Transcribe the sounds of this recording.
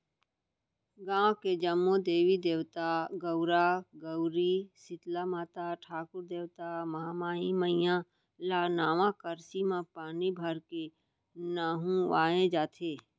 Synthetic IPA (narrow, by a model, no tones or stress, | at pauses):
ɡãːked͡ʒəmːod̪eːʋid̪eːʋt̪aɡəʊɾaɡəʊɾisɪt̪lamaːt̪aʈʰaːkʊɾd̪eːʋt̪aməɦamaːiməɪjã | laːnaːʋãkəɾsimãpaːnibʱəɾke | naːɦũʋaːẽd͡ʒaːt̪ʰeː